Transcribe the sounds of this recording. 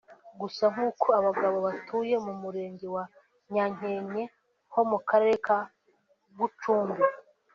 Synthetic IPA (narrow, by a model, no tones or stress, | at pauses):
ɡusaŋ̥uːkʰo̞aβaɡaβo̞βatʰuːje̞mumuɾe̞ːɲɟewa | ɲaɲ̥e̞ːɲe̞ | ho̞mukaɾeɾeka | ɡut͡ʃuːmbe